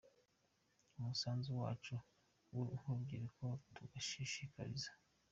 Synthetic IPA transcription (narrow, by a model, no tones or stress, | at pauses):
umusaːnzuwa̰ːt͡ʃu | wuuhubɡiːɾeko̞tuɡaʃiʃika̰ɾḭzḁ